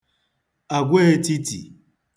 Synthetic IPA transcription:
a˨ɡʷe˦e˦ti˦tḭ˨

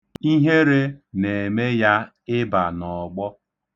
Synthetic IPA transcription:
i˦ɦe˦ɾe˦ne˨me˦ja˦ | ɪ˦ba˨nɔ˨ɡ͡bɔ˦

